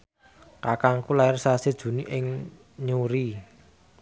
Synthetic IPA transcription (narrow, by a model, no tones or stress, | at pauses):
kakaŋkulaɪrsased̥ʒ̥ṳniʔɪŋ | ɲuɾi